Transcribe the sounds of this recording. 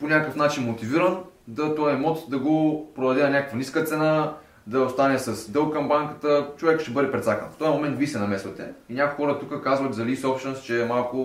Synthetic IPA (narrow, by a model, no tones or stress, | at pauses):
ponʲakkəfnat͡ʃinmot̪iviɾənd̪ɐt̪ɔjɛmɔt̪d̪ɐɡopɾod̪ɐd̪ɛnɐnʲakəkvɐniskət̪sɛna | d̪ɐost̪anɛsɐsd̪ɤlˠkɐmbaŋkə̥t̪ət͡ʃovɛkʃt̪ɛbɤd̪ɛpɾɛt̪sakə̰nft̪ɔjɐmomɛnt̪visɛnɐmɛsvɐt̪ɛ̰inʲakuʊixɔɾət̪ukəkazvɐt̪zɐlisɔpʃt̪ɛnost͡ʃɛmalˠkʊ